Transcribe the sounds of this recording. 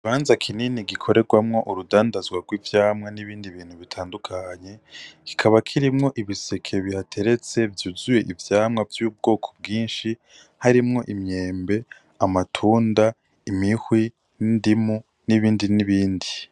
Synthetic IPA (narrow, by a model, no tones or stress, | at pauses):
iβaːnzakʰininiɡikʰo̞ɾe̞ɡwamŋo̞ʔuɾudaːndazɡwaɡwiːvjaːmŋaniβiːndiβiːn̥huβitʰaːndukʰaɲe̞ki̥kʰaβakʰiɾimŋo̞ʔiβise̞kʰe̞βihatʰe̞ɾe̞t͡se̞vjuːzuje̞ʔivjaːmŋavjuːb̚ɡo̞ːkʰo̥b̚ɡiːnʃi | haɾimŋo̞ʔimɲe̞ːmbe̞ | amatʰuːnda | imihwi | nindimu | niβiːndiniβiːndi